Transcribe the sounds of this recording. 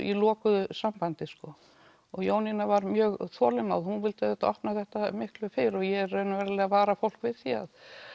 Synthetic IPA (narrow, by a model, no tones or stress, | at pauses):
ḭlɔːkʏsampant̪ɪskɔ | ɔɣjoːwninavaɾmjœːɣθɔːlɪmawðhunvɪlt̪aðɛt̪ɔhpnaθɛht̪amɪhklʏfɪɾɔɣjɛɛɾːœːɥnavɛːɾalɛːɣavaːɾafowl̥kvɪðθia̰ð